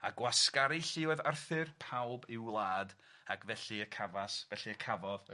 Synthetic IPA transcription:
aɡwaskaɾiɬɪɔðarθɨrpʰawbɪwlˠaːd | akʰvɛɬiəkʰavasvɛɬiəkʰavɔð

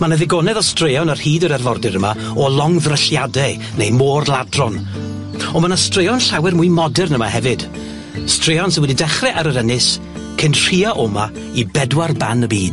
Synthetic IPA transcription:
manəðɪɡɔnɛðɔstrejɔnar̥hiːdəɾɛrvɔrdɪɾəma | ɔlˠɔŋðrəɬjadɛ | nejmoːrlˠadrɔn | ɔmanastrejɔnɬawɛrmʊɨjmɔdɛrnəma̰hɛvɨd̥ | streɔns̬ɪnwɛdidɛχrɛʔaɾəɾənɪs | kʰənr̥iaʔɔma | ibɛdwarbanəbiːd̥

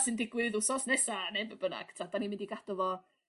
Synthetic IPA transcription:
sɨndɪɡwɨðʊsɔsnɛsanɛvəbəna̰ɡ̥tʰadanimɪndiɡad̥ɔvɔ

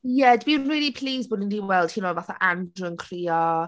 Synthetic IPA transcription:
jɛdbinniːlipʰl̥iːzboːdəndiːwɛlˠd̥hʰiːnoːvaθa̰ʔandrənkʰr̥iːɔ

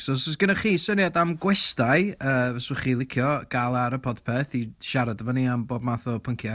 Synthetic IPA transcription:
sosɔsɡ̥ənaχiːsəniadamɡwɛstajəːvɛswəχiːlˠɪkʰjɔɡ̥alˠaɾəpʰɔdpʰeθiʃaɾadəvɔniamboːbmaθɔpʰəŋkʰja

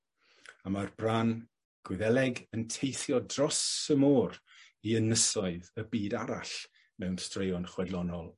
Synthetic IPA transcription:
amarbraːn | ɡ̥wɪðɛlɛɡəntʰejθjɔdrɔsəmoːr | iənəsɔɨðəbiːdaɾa̰ɬ | mɛwnstrejɔnχwɛdlˠɔnɔlˠ

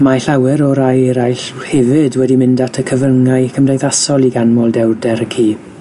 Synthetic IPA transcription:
maɬawɛɾɔɾajɾajɬhɛvɪdwɛdimɪndatʰəkʰəvəŋaɨkʰəmdejðasɔlˠiɡanmɔlˠdɛwdɛɾəkʰiː

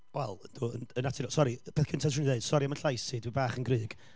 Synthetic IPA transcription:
wɛlˠənd̥uːə̰nənatʰɪnɔsɔɾib̥ʰeːθkʰəntʰasrunðeɨd̥sɔɾiamənɬajsidwibaːχənɡrɨːɡ̥

